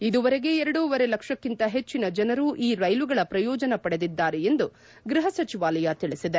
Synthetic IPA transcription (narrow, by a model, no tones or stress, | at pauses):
id̪uʋɐɾe̞ɡe̞ɛɾɐɽuːʋɐɾe̞lɐkʂɐkːint̪ɐɦe̞t͡ʃːinɐd͡ʒɐnɐɾuːʔiːɾɐjluɡɐɭɐpɾɐjɔːd͡ʒɐnɐpɐɽe̞d̪id̪ːaːɾeend̪u | ɡɾiɦɐsɐt͡ʃiʋaːlɐjɐt̪iɭisid̪e̞